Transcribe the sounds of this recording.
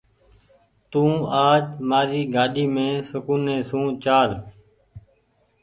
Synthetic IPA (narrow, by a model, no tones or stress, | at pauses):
t̪ũːaːd͡ʒmaːɾiːɡaːɗiːmẽːsəkuːnːẽːsũːt͡ʃaːɾ